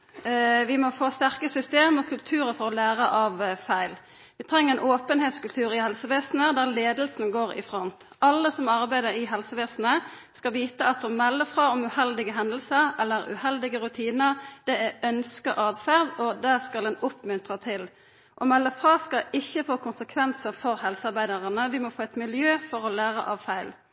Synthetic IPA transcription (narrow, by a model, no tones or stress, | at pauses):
ʋɪmɔfoːst̪æʁkəsʏst̪eːmɔkʰʉlt̪ʰʉːɾəfɔʁɔlæːʁəʔɑʋfæɪl | ʋɪt̪ʰʁɛŋːəʁɛnʔoːpənheːt̪skʉlt̪ʰʉːɾɪhɛlsəʋeːsnəd̪æːʁleːd̪lsn̩ɡoːʁɪ̰fʁɔnt̪ | ʔɑlːəsɔmɑʁbæɪd̪əɾɪɦɛlsəʋeːsn̩ə | skɑʋiːt̪əɑt̪ɔmɛlːəfʁɑːɔmʉhɛld̪ɪɡəɦɛnd̪l̩səɾɛlːəʁʉ̰hɛld̪ɪɡəʁʉt̪ʰiːnəd̪̥ɛæœnskəɾʔɑːd̪fæʁd̪ɔd̪æskɑlɛnʊpmʉnt̪ʁət̪ʰɪl | ʔɔmɛlːəfʁɑːskɑʔɪçːəfoːkʊnsəkʰʋɛnsəfɔʁhɛlsəɑʁbæɪd̪əʁənəʋɪmɔfoːɛt̪mɪljøːfɔʁɔlæːʁə̰ʔɑʋfæɪl